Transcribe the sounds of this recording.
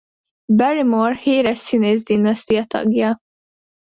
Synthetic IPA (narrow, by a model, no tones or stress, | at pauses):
bɛɾɪmɔɾhiːɾɛsːinɛzd̪ɪnːɐst̪ijɐt̪ɐ̰ɡjɐ